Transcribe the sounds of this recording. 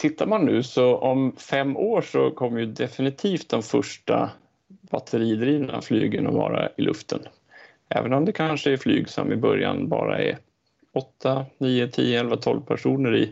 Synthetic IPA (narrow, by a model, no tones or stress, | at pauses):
t̪ʰɪt̪ːaɾmanːʉ̟ːsɔʔɔmfɛmːoːʂɔkʰɔmːjɵd̪ɛfɪnɪt̪ʰiːft̪̚d̪ɔmfœʂʈa | bat̪ʰəɾiːd̪ɾiːnaflyːɡənɔvɑːɾaɪlʔɵft̪ən | ɛːvənɔmd̪ɛkʰanʂəɛɾflyːɡsɔmɪbœɾjanbɑ̰ːɾaɛɾ | ɔt̪ʰːaniːət̪ʰiːəɛlvat̪ʰɔlvpʰæʂuːnəɾɪ